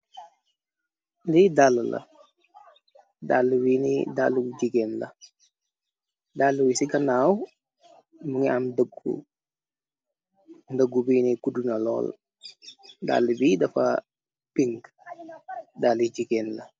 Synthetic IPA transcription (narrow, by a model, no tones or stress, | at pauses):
lidaləlɐ̰ | dalːuwinḭdalːuɟiɡɛnlɐ̰ | dalːuwisiɡɐnaːw | muŋiamdəɡṵ | dəɡubiːnikudunɐlɔ̰ːl | da̰lːəbidɐfa̰ | piŋɡ | dalid͡ʒiɡenlɐ